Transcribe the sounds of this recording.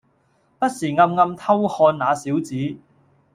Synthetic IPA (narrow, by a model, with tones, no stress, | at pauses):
pɐ˥t̚siː˨˩ŋɐ˧mŋɐ˧mt̪ʰɐ˥whɔː˧nnaː˨˧siː˨˥wt͡siː˨˥